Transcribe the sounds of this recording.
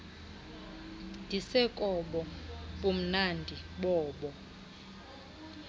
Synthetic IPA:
ndʱisɛkʼɔɓɔɓum̩nandʱiɓɔːɓɔ

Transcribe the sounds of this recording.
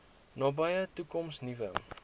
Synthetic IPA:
nɑːbɐjətukɔmsnivə

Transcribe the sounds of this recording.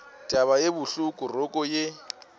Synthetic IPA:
tʼaβajebʊɬukʼʊrʊkʼɔje

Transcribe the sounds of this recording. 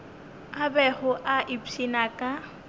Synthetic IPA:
abɛhʊʔaʔipinakʼa

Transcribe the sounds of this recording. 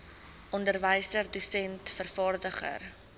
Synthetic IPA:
ʔɔndərvəjsərdusɛntfərfɑːrdəχə̰r

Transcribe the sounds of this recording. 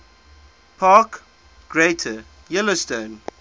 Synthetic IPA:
pʰaːˑk | ɡ̥ɹetʰə | jɪlostõn

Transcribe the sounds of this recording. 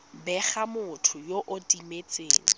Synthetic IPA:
bɛχamʊtʰʊjoʔʊtʼimet͡sʼḛːŋ̩

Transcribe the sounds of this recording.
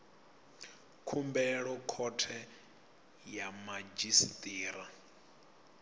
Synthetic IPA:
kʰumbɛɺɔkʰɔtʰɛ | jamad͡ʒistʼiːɾa

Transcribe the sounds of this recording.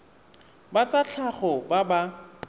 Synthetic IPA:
bat͡sat͡ɬʰaχɔbaba

